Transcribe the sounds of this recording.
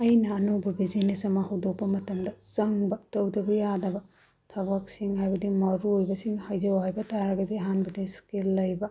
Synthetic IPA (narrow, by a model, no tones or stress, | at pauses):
ɐjnɐːnobɐbizinesɐmɐhɐwdopːɐmɐtɐmdɐsɐŋbɐtɐwdɐbɐjadɐbɐ | tʰɐbɐk̚siŋɦajbɐdimɐɾuojbɐsiŋhajzɐwhajbɐtajaɾɐɡɐdiɦanbɐdiskilːɐjbɐ